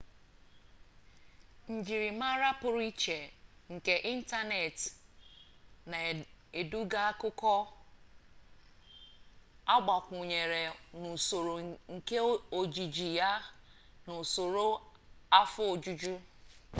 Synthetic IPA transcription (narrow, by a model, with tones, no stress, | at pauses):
n̩˨d͡ʒi˨ɾi˨ma˦ɾa˦pʊ˨ɾi˦t͡ʃe˨ŋ̩˨ke˨ʔi˦n̩˦ta˦ne˨t | na˨ | e˨du˦ɡa˦a˦kʊ˦kɔ˦ | a˦ɡ͡ba˨kʷu˨ɲe˨ɾe˨nʊ˨so˨ɾo˨ŋ̩˨ke˦o˨d͡ʒi˨d͡ʒi˨ja˦nʊ˨so˨ɾo˦ | a˦fʊ˦o˨d͡ʒu˦d͡ʒu˦